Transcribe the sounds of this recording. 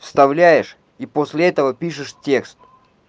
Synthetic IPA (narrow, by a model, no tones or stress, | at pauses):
fst̪ɐvlʲæjɪʂ | iposʲlʲɪɛt̪əvəpʲiʂɨʂtʲe̞kst̪̚